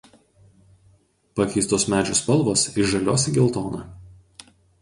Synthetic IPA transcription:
pɐkʲɛɪst̪oːsmʲæːd͡ʒʲospɐlˠˑʋoːsɪʒɐlʲoːs̬ʲɪɡʲɪlˠt̪oːnɐ̰

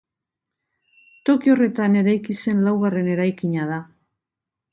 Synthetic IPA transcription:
t̪o̞kio̞re̞t̪ane̞ɾajkise̞nlawɣare̞ne̞ɾajkiɲað̞a

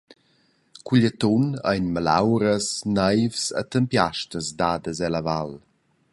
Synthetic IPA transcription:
kuʎət̪onə̰jnmala̰wɾəsnajvsə̰t̪əmpjaʃtəzdaːdəzɛlaval

